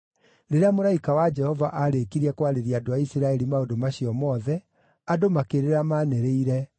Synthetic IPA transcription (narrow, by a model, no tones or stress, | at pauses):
ɾeɾeamoɾaikawad͡ʒɛhɔvaʔaɾekiɾiakwaɾeɾiadoaisiɾaɛɾimaodomaɕiɔmɔðɛ | adomakeɾeɾamanɛɾeiɾɛ